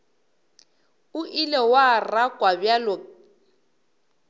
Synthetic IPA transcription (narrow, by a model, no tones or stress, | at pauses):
ʊʔilewarakʼwabjalɔ